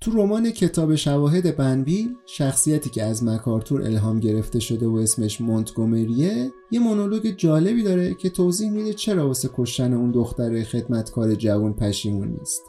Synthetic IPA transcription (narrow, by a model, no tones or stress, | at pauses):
t̪ʰuɾo̞mɒːne̞cʰe̞t̪ʰɒːbe̞ʃævɒːɦe̞d̪e̞bænviːl | ʃæxsijæt̪ʰiːcʰe̞æzmækʰɒːɾt̪ʰuɾʔḛlɦɒːmɟe̞ɾe̞ft̪e̞ʃo̞d̪evoe̞sme̞ʃmont̪ʰɡome̞ɾije | je̞monolo̞ɟe̞d͡ʒɒːle̞biːd̪ɒːɾecʰe̞t̪ʰoziːhmid̪et͡ʃʰe̞ɾɒːbosekʰo̞ʃt̪æne̞und̪o̞xt̪æɾexe̞d̪mæt̪kʰɒːɾe̞d͡ʒævunpʰæʃiːmunːḭst̪